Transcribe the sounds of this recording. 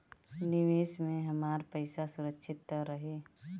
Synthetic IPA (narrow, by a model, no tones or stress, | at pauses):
nɪʋeːʃmẽɦɐmaːɾpəɪsasʊɾəkʃʰɪt̪ːəɾːəɦeː